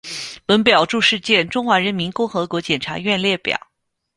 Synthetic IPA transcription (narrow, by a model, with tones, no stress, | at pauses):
wə˧˥npjɑ˨˩ʊʈ͡ʂu˥˧ʂɻ̩˥˧t͡ɕjɛ˥˩nʈ͡ʂʊ˥ŋxwa˧˥ɻə˧˥nmi˧˥nkʊ˥˩ŋxɤ˧˥kwɔ˧˥t͡ɕjɛ˨˩nʈ͡ʂʰa̰˧˥ɥɛ˥˧nljɛ˥˩pjɑ̰˨˩˦